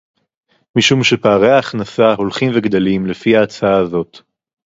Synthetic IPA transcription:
miʃumʃe̞paːʁejaːχnasaɦo̞lχimveɡd̪olimlefiaːt͡saaːzo̞t

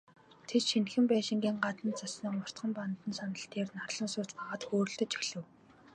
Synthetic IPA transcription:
t̪ʰet͡ɕ̪ʃinxɘ̆mpæːʃɪ̆ŋɡʲiːŋɢat̪ə̆nt͡sʰasĭːŋʊr̥t̪χə̆mpant̪ə̆nsanə̆ɬt̪eːrnarɮə̆nsʊːt͡spaʁaːt̪xoːɾɵ̆ɮt̪ɘ̆t͡ɕɵɮɘ̆w

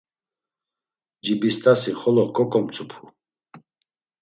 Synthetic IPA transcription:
d͡ʒibist̪ʰʼasiχɔlɔkʰʼɔkʰʼɔmt͡sʰupʰu̥

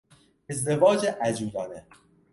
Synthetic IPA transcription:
ezd̪evɒːd͡ʒeʔæd͡ʒuːd̪ɒːne

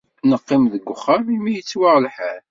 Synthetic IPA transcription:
nəqːɪmðəɡʷːʊχːɑɾˤimijət͡sːwaʁlħæl

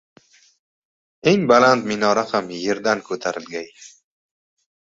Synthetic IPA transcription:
e̞ŋbalant̪mɪnɒɾahamje̞ɾd̪ankʰɵt̪ʰaɾɪlɡʲaj

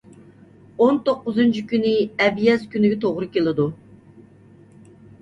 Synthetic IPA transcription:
ont̪oqːʊzɨnt͡ʃʰikʲynɪɛbjɛzkʲynɪɡʲɛt̪ʰoʁɾɨkʲelɪd̪u

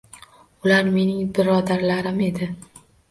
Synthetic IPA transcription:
ʊlaɾme̞nɪŋbɪɾɒd̪aɾlaɾɪme̞d̪ɪ

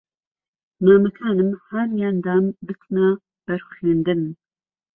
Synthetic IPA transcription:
maːmɐkʰaːnɨmhaɾijaːnd̪aːnbɨt̪ʰna | b̥ɛɾeːnd̪ɨnm

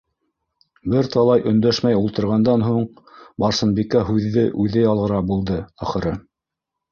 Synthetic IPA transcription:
bɘɾt̪ɑlˠɑjʔɵ̆nd̪æʃmæjulˠt̪ɤ̆ɾʁɑnd̪ɑnɦuɴ | bɑɾsɤ̆nbikæɦʉðːɘʔʉðɘjɑlˠʁɤ̆ɾɑbulˠd̪ɤæχɤ̆ɾɤ

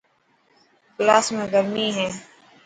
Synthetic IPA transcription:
klaːsmẽːɡəɾmiːɦɛ̃ː

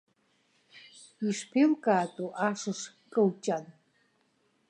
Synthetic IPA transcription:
iʂpʰilkʼaːt̪ʼuʔaʂɨʂ | kʼəwt͡ʃʼan

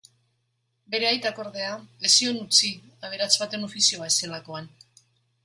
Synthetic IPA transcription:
be̞ɾe̞ajt̪ako̞ɾðe̞aesio̞nut͡siaβ̞e̞ɾat͡sβat̪e̞no̞fisio̞aese̞lako̞an

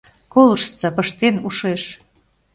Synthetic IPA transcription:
kolɤ̆ʃt͡sɑpəʃt̪enuʃeʃ

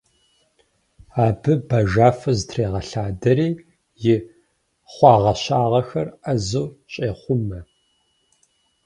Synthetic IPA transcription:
aːbɨbɐʒaːfɐzɨtʰreːʁɐɬaːdɐɾiː | jɪ | χʷɑːʁɐɕaːʁɐxɐrɐzɨwɕʼeːχʷʊmɐ

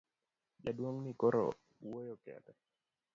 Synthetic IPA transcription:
d͡ʒadwoŋnikoɾo̰ | wojokɛ̰tɛ

